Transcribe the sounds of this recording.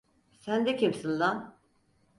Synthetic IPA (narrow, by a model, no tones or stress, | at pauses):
sænd̪ɛcʰemsɯnlˠan